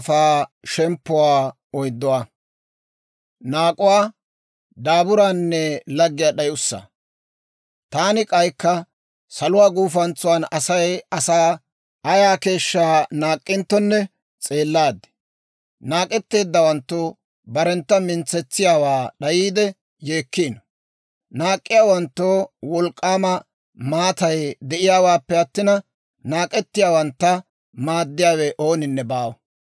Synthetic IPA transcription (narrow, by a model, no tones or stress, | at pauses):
faːʃɛmpːʊwaː | ɔjd̪ːɔwaː | naːkʼʊwaː | d̪aːbʊɾaːnːɛlɐɡːɪjaːɗɐjʊsːɐ̰ | t̪aːnɪkʼɐjkːɐ | sɐlʊwaːɡuːfɐnt͡sʊwaːnɐsɐjɐsaː | ɐjaːke̞ːʃːaːnaːkʼːɪnt̪ːɔnːɛ | t͡sʼe̞ːlːaːd̪ɛ̥ | naːkʼɛt̪ːe̞ːd̪ːɐwɐnt̪ːoː | bɐɾɛnt̪ːɐmɪnt͡sːɛt͡sːɪjaːwaːɗɐjiːd̪ɛ | je̞ːkːiːnɔ | naːkʼːɪjaːwɐnt̪ːoːwɔlkʼːaːmɐ | maːt̪ɐjd̪ɛʔɪjaːwaːpːɛɐt̪ːɪnɐ | naːkʼɛt̪ːɪjaːwɐnt̪ːɐ | maːd̪ːɪjaːwɛʔo̞ːnɪnːɛbaːw